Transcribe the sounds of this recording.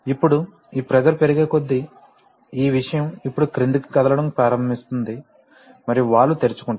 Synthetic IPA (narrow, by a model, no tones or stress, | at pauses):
ipːuɽu | iːpɾɛd͡ʒɐlupeɾiɡe̞ːko̞d̪ːi | iːʋiʂɐjɐmipːuɽukɾind̪uki̥kɐd̪ɐlɐɽɐmpɾaːɾɐmist̪und̪i | mɐɾijuʋaːɭːut̪e̞ɾit͡ʃu̥kuɳʈ